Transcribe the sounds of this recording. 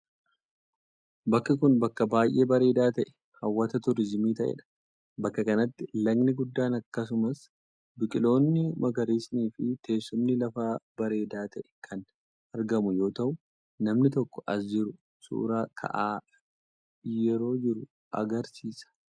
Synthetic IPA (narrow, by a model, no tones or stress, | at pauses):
bɐkːɐk̬ʊnbɐkːɐbaːjʔe̞ːbɐɾe̞ːd̪aːt̪ɐʔɛ̥ | hɐwːɐt̪ɐt̪ʊɾɪd͡ʒɪmiːt̪ɐʔɛ̰ᶑɐ̥ | bɐkːɐkɐnɐt̪ːɪlɐɡnɪɡʊd̪ːaːnɐkːɐs̬ʊmɐs | bɪkʼɪlo̞ːnːɪmɐɡɐɾiːsniːfɪt̪e̞ːsːʊmnɪlɐfaːbɐɾe̞ːd̪aːt̪ɐʔɛ̥kʰɐn | ɐɾɡɐmʊjo̞ːt̪ɐʔʊ | nɐmnɪt̪ɔkːɔ̥ʔɐsd͡ʒɪɾʊ | sṵːɾaːkʰɐ̰ʔaː | jɛɾo̞ːd͡ʒɪɾʊ | ɐ̰ɡɐɾsiːsɐ̥